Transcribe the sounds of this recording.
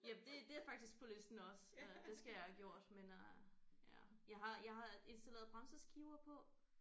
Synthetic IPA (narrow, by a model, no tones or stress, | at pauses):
jæd̥e̝d̥e̝æɐfɑ̈ɡ̥d̥isɡ̥̚pʰɒ̽le̝sd̥n̩ɒ̽sød̥e̝sɡ̥æjɑ̈ɪhæɡ̥jo̝ɐ̰d̥menjæjɑ̈ɪɦɑ̈jɑ̈ɪɦɑ̈e̝nsd̥ælḛːɐðˠb̥ʁɑ̈nsəsɡ̥iʊɐpʰɒ̽